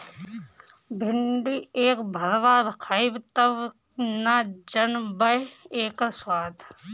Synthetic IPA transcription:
bʱɪɳɖieːkbʱɐɾʋaːɾkʰaibt̪ɐʋ | naːd͡ʒɐnbɐjeːkɐswaːd̪

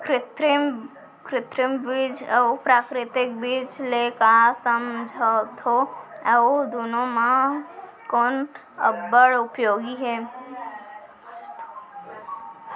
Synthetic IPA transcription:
kɾɪt̪ɾɪm | kɾɪt̪ɾɪmbid͡ʒəupɾaːkɾɪt̪ɪk̚bid͡ʒlekasəmd͡ʒʱət̪ʰoəod̪unomã | koːn | ə̰bəɽʊpjoːɡiɦɛ | t̪o

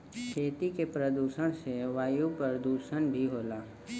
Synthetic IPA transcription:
kʰeːt̪ikepɾəd̪uːʃəɽ̃seʋaːjupəɾd̪uːʃəñbʱiɦoːlaː

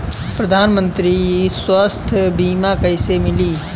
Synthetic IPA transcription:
pɾɐd̪ʱaːnmə̃nt̪ɾiiswəst̪ʰbiːmakəɪsemɪliː

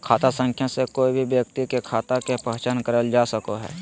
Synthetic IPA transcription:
kʰaːt̪asə̃ŋkʰjasekoːibʱibjəkt̪ikekʰaːt̪akepəɦt͡ʃankəɾəld͡ʒaːsəkoɦɛ̰ː

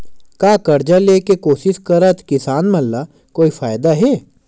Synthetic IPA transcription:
kaːkɐɾd͡ʒaleːkekoːsɪʃkɐɾat̪kɪsaːnmɐlːa | koːifʰaːjd̪aɦɛː

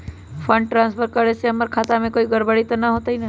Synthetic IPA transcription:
pʰəɳɖ̚ʈɾãːnspʰəɾkəɾeseəməɾkʰaːt̪amẽkoːiɡəɾbəɽit̪ənaɦoːt̪aɦina

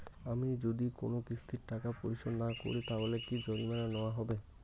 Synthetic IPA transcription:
amid͡ʑod̪iko̰nokɾisʰu̥t̪ʰiɾʈakapo̰ɾit͡ɕonnako̰ɾit̪aɦolekid͡ʑonimananɔwaɦɔbe

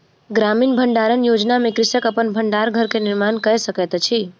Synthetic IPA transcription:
ɡɾaminbʱəɳɖaɾənjod͡ʒnamekɾɪsəkəpənbʱəɳɖaɾɡʱəɾkenɪɾmankəesəket̪t͡ʃʰi

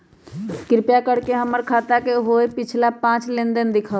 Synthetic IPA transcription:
kɪɾpjakəɽkeɦəməɾkʰaːt̪akeɦoepɪt͡ʃʰlapãːt͡ʃlẽnd̪ənd̪ɪkʰao

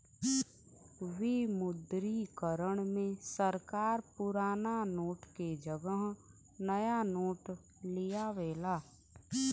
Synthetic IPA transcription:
wimʊd̪ɾikəɾəɽ̃mẽsəɾkaːɾpʊɾaːnanoːʈked͡ʒəɡəɦ | nəjanoːʈ | lɪjaʋeːlaː

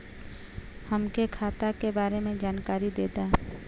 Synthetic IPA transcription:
həmkekʰaːt̪akebaːɾemẽd͡ʒaːnkaːɾid̪eːd̪aː

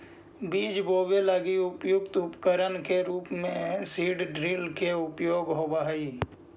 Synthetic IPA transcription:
biːd͡ʒboːbeləɡiʊpjʊk̚t̪ʊpkəɾənkeɾuːpmẽsiːɖɖɾiːlkeʊpjoːɡɦoːbaɦiː

